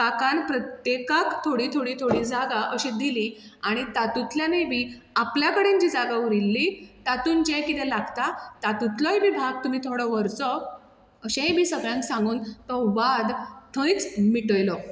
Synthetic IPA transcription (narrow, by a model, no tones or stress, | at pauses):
kakanpɾət̪jekakt̪ʰoɽiːt̪ʰoɽit̪ʰoɽiːd͡zaɡaʔəɕid̪iliaɽ̃it̪at̪ut̪ljanebʱiː | apljakəɽẽɲt͡ɕiːd͡zaɡauɾilːit̪at̪uːnd͡ʑejkit̪ɛlaɡt̪at̪at̪ut̪ʰlɔɦibibʱaɡ̚t̪um̤iːt̪ʰoɽɔʋəɾt͡sɔ | əɕẽɦẽbʱiːsəɡɭjãŋksãŋɡuːnt̪ɔʋad̪t̪ʰə̃jt͡smiʈəjlɔ